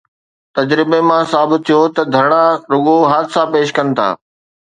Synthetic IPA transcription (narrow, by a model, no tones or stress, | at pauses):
t̪ɐd͡ʑɾɪbemãsaːbɪt̪ʰːijot̪ɐd̪ʱɐɾɽ̃aɾʊɠoɦaːd̪sãpeːʃkɐnɪ̆t̪ʰa̰ː